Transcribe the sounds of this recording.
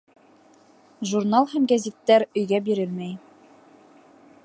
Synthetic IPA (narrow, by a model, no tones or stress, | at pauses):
ʒurnalˠhæmɡæzʲit̪ːæɾɵ̆jɡæbiɾɘlmæj